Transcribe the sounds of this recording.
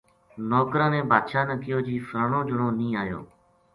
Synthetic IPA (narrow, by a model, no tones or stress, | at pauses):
nɔːkɾãːnẽːbʱaːd̪ʃaːnəkɪjoːd͡ʒiːfɾəɳõːd͡ʒʊɳõːnĩːaːjo̰ː